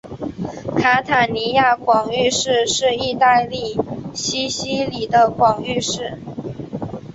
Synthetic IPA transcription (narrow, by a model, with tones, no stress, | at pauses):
kʰa˥t̪ʰa˨˩ni˧˥ja˥˩kwɑ˨˩ŋy˥˧ʂɻ̩˥˧ʂɻ̩˥˧i˥˧t̪a˥˧ɪli˥˩ɕi˥ɕi˥li˨˩d̪ə˦kwɑ˨˩ŋy˥˧ʂɻ̩˥˩